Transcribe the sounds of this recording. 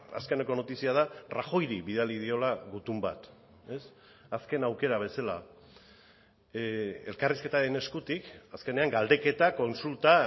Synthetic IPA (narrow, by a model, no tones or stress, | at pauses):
a̰ske̞neko̞no̞t̪isiaðaraxo̞jɾiβið̞alið̞io̞laɣut̪umba̰t̪ | e̞s | aske̞nawke̞ɾaβ̞e̞sala̰ | e̞lkariske̞t̪aɾe̞ne̞skut̪ikaske̞ne̞aŋɡald̪e̞ke̞t̪ako̞nsult̪a